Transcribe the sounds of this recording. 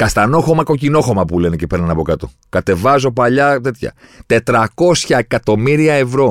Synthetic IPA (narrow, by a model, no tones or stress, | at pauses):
kɐst̪ɐno̞xo̞mɐko̞cino̞xo̞mɐpule̞necepɾnɐnɐpo̞kɐt̪o̰ | kɐt̪e̞vɐzo̞pɐʎɐt̪e̞t̪çɐ̰t̪e̞t̪ɾɐko̞sçɐekɐt̪o̞miɾiɐe̞vɾo̞